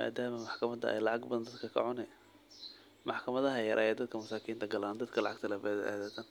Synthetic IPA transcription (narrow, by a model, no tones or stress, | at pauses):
ma̰ːd̪aːmɐmɑħkʰɐmɐd̪ɐ̰ɛ̰jlɑʕɑɡbɐðɐnd̪ɐd̪kʰɐkʰɐ̰ʕʊnɛ | mɑħkʰɐmɐðɐɦɐjɐɾʔaːjɛːd̪ɐd̪̚kʰɐmɐsaːkʰiːnt̪ʰɐɡɐlaːnd̪ɐd̪kʰɐlɑʕɑɡ̚t̪ʰɐlafɛðɛʔa̰ːðaːt̪ʰan